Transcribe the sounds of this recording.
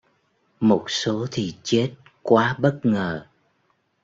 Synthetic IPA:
mo˨˩t̚so˨˦t̪ʰi˨˩t͡ɕe˦˥t̚ | kwaː˨˦ɓə˦˥t̚ŋəː˨˩

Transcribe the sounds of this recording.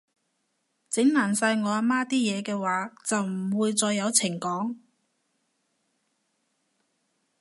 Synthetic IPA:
t͡sɪ˨˥ŋnaː˨˩nsaː˧jŋɔː˨˧aː˧maː˥t̪iː˥jɛː˨˧kɛː˧waː˨˧t͡sɐ˨wm̩˨˩wuː˨˧jt͡sɔː˧jːɐ˨˧wt͡sʰɪ˨˩ŋkɔː˨˥ŋ

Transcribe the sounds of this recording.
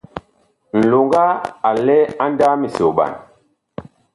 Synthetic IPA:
n̩˨lo˨ŋɡa˦a˨lɛ˦a˦nda˦mi˨so˨ɓa̰˨n

